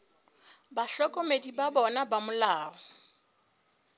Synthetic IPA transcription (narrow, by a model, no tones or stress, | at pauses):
baɬɔkʼɔmedibabɔnabamʊlaːɔ